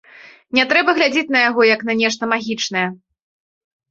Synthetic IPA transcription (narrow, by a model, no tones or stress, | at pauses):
nʲɛt̪ɾɛbɐɣlʲad͡zʲet͡sʲn̪ɐjaɣɔjɐkn̪ɐnʲɛʂt̪ɐmaɣʲit͡ʂnɐjɛ